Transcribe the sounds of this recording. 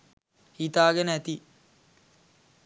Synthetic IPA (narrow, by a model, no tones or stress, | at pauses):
hit̪aːɡenəæt̪i